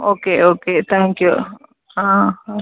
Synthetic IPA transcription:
oːkeʔoːket̪ʰãŋkju | ã

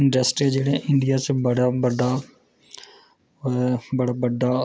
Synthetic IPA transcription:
ɪɳɖɾəsʈed͡ʒeːɽẽʔɪɳɖijaːt͡ʃbəɽaːbəɖ̪aː | bəɽaːbəɖ̪aː

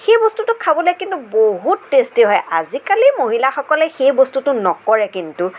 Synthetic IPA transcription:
xejbɔstutʊkʰabɔljkintuboɦutːestiɦɔjʔa̰zikalimoɦilaxɔkɔlɛxejbostutʊnɔkɔɹɛkintʊ

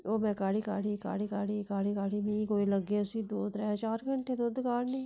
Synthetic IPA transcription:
oːmɛ̃ːkaːɽiːkaːɽiːka̰ːɽiːkaːɽiːkaːɽiːkaːɽiːmĩkoːiləɡeʊsiːd̪oːt̪ɾɛt͡ʃaːɾɡəɳʈʰed̪od̪kaːnnĩː

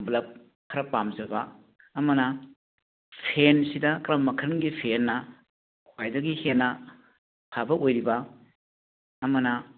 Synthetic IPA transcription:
blɐp̚ | kʰːɐɾɐpamzɐbɐ | ɐmɐnɐ | pʰensidɐkɾɐmːɐkʰɐɾŋɡipʰenːɐ | kʰwajdɐɡihenːɐ | pʰabɐʔojɾibɐ | ɐmɐnɐ

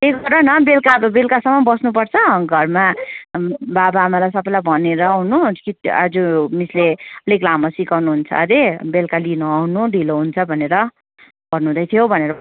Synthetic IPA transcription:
eɡʌɾʌnʌbelkabobelkasʌmʌbʌsnup̬ʌrt͡sʰʌɡʱʌrma | babaːmalajsʌpːajlajbʱʌneɾʌwnukiʈa̰d͡zumisleleklamʌsikawnuɦunt͡sʰʌ̰ɾebelkalinuawnuɖiloɦunt͡sʰʌbʱʌneɾʌ | ɡ̥ʌrnud̪ʌjt̪ʰijobʱʌneɾʌ

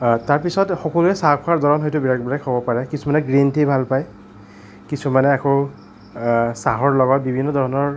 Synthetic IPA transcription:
taɹpisɔtxɔkɔluɛsaaɹdʱɔɹɔnɦojtʊbiɹakbiɹakɦobɔpaɹɛkisumanɛɡɹentejbʱalpaj | kisumanɛako | saɦɔɹlɔɡɔt̚bibʱinːɔdʱɔɹɔnɔɹ

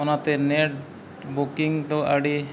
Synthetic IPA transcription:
ɔnat̪eneʈ | bokiŋt̪oaɖi

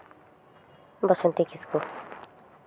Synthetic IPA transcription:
bʌsunt̪ikisku

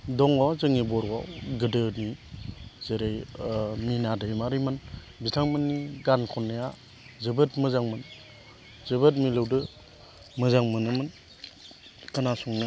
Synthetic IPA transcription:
dɔŋɔzɯŋibɔɾɡawɡɯdɯni | zeɾejminadɯjmaɾiman | bitʰaŋmɯnːiɡankʰɔnːaja | zɯbɯtmɯzaŋmɯn | zɯbɯt̚milɯwdɯ | mɯzaŋmɯnɯmɯn | kɯnasuŋnɯ

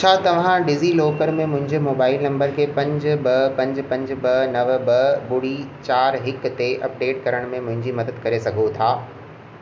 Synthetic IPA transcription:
t͡ɕʰaːt̪ɐʋ̤ãɖɪziloːkəɾmẽmʊ̃ɦɪ̃ɲd͡ʑemoːbaːɪlnɐ̃mbəɾkʰeːpɐ̃ɲd͡ʑbɐpɐ̃ɲd͡ʑpɐ̃ɲd͡ʑbɐnɐʋbɐbʊɽ̤it͡ɕaːɾɦɪkt̪eʔɐp̚ɖeːʈkɐɾəɽ̃mẽmʊ̃ɦɪ̃ɲd͡ʑimɐd̪əd̪̚kɐɾesɐɡʱot̪ʰaː

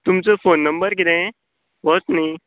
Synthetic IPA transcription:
t̪umt͡sefoːnːə̃mbəɾkid̪ẽ | ʋɔt͡snĩ

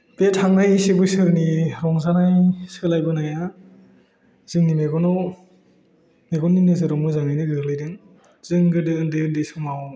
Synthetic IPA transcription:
b̥etʰaŋnajsibɯsɯɾniɾɔŋzanajsɯlajbɯnaja | z̥ɯŋnimeɡɔnɔw | meɡɔnːinɯzɯɾɔmɯzaŋnajnɯdɯɾlɯjdɯŋ | z̥ɯŋɡɯdɯɯndɯɯndɯsɯmaw

